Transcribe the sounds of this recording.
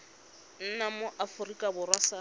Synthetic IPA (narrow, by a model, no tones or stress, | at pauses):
n̩namoʔafʊrikʼabʊrwasa